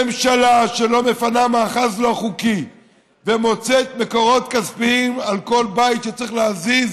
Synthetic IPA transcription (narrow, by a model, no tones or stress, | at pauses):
emʃalaʃelo̞me̞fanamaːχazloaχuki | vemo̞t͡set̪me̞ko̞ʁo̞t̪kazpiimalko̞lbajtʃet͡sʁiχleaziz